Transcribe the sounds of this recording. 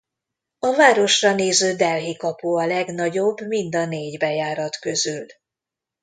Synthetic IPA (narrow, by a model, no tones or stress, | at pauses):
ɒvaːɾo̞ʃrɒneːzøːd̪ɛlɦikɒpuɒlɛɡnɒɟo̞bːmind̪ɒneːɟbɛjaːɾɒt̪køzyl